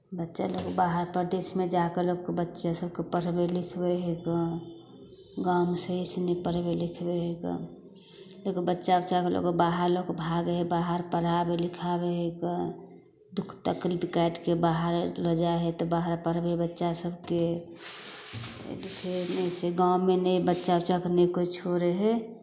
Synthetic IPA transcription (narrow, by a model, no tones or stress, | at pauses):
bətːʃa̰lokbaɦəɾpəɾd̪esmed͡ʒakeloɡ̚kebətːʃasəb̚kepəɾbelikʰbeɦekə | ɡamsəisenəipəɾbelikʰbeɦekə̰ | lokebətːʃabətːʃakelo̰kebaɦəɾlokbʱaɡɦebaɦəɾpəɾabelikʰabeɦekə | ɖʱʊkʰt̪akɾbikaʈkebaɦəɾləd͡ʒaɦet̪ɔbaɦəɾpəɾbebətːʃasəbʱke | likʰenəiseɡaʊ̃menəibətːʃabət͡ʃakenəikoit͡ʃʰoɾeɦɛ